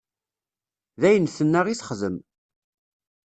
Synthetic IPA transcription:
ðæjənθənːæʁisə̥χðəm

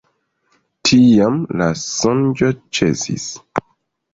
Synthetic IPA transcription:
tʰijamlasond͡ʒot͡ʃḛsḭs

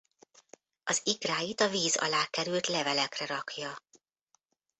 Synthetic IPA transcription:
ɒzikraːjit̪ɒviːzɒ̰laːkɛɾylt̪lɛvɛlɛkrɛɾɒkjɒ

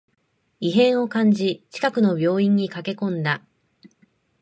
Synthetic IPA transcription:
iɦẽ̞ɰ̃o̞kãɲd͡ʑit͡ɕi̥kakɯ̟no̞bʲjo̞ːĩɲ̟ːikake̞kõ̞nd̪a

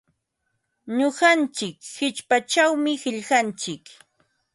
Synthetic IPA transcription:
ɲoɢant͡ʃɪkhɪt͡ʃpat͡ʃawmɪhɪʎɢant͡ʃɪk

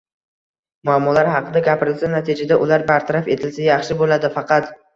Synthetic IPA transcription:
mʊamːɒlaɾhɑqʰɨd̪aɡʲapʰɪɾɪlsanat̪ʰɪd͡ʒad̪aʔʊlaɾbaɾt̪ʰaɾafe̞t̪ʰɪlsajɑχʃɪbolad̪ɪfɑqʰɑt̪

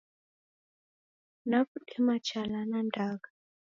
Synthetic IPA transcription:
nakutʰɛmat͡ʃʰalanandaːka

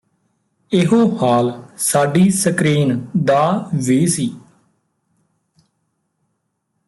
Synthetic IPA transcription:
ɪɦoːhaːlsaːɖiːsəkɾiːnd̪aːʋeːsiː

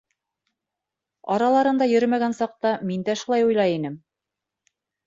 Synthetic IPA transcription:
ɑ̰ɾɑlˠɑɾɤ̆nd̪ɑjɵ̆ɾmæɡænsɑq̚t̪ɑmind̪æʃulˠɑjujlˠɑjinɘm

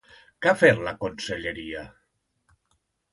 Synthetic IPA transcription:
kafeɾlakonseʎeɾia

